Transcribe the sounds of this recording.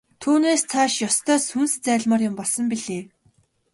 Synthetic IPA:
t̪ʰuːneːst͡sʰaʃjɔst̪ʰœːsunst͡sæːɮmaːrjʊmpɔɮsɞ̆mpiɮeː

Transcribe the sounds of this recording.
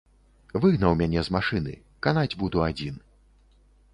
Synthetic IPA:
vɨɣnɐwmʲanʲɛzmaʂɨnɨ̰ | kanad͡zʲbud̪uad͡zʲin

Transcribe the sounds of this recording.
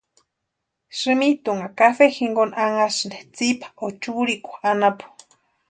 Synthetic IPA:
ʂɨmit̪uŋakafexiŋɡonaŋasɨnd̪et͡sipʰḁʔot͡ʃuɾikʷaanapu̥

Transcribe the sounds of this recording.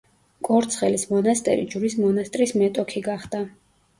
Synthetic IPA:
kʼɔɾt̪sʰχɛlismɔnast̪ʼɛ̰ɾḭd͡ʒuɾismɔnast̪ʼɾismɛt̪ʼɔkʰiɡaχd̪a

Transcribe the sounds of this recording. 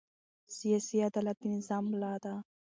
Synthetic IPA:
sijasiad̪alat̪inzamlaːd̪a

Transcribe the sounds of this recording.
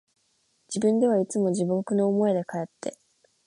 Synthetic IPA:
d͡ʑibɯ̟̃nd̪e̞βait͡sɨmo̞ʑibokɯ̟no̞ːmo̞ed̪e̞kae̞t̪ːe̞

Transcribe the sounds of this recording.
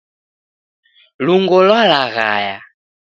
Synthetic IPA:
luŋɡɔlwalaɣa̰ja

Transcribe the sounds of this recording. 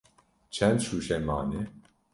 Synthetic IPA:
t͡ʃʰɛnd̪ʃuːʃɛmaːni

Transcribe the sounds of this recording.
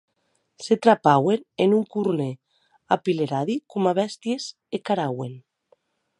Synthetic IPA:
set̪ɾapawenenuŋkuɾne | apileɾaðikumaβɛst̪jez | ekaɾawen

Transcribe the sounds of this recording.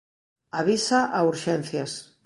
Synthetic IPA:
aβ̞isaʔauɾʃɛnθjas

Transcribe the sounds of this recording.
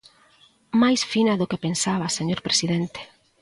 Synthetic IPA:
majsfinɐðʊkepensaβɐseɲoɾpɾesiðent̪e̥

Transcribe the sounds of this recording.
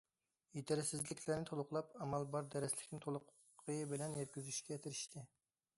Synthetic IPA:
jet̪ʰɪɾɪsɪzlɪkʲʰlæɾnɪt̪ʰolˠʊqlˠɑpɑmɑlˠbɑɾd̪ɛɾɛslɪ̥kʲnɪt̪ʰolˠʊqʰː | əbɪlɛnjɛt̪̚kʲyzyʃkʲɛt̪ʰɪɾɪʃt̪ʰɪ

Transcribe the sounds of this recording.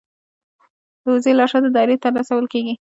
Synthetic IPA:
d̪əwzelɑʂad̪əd̪ɑɾet̪əɾlɑsawəlkeɡi

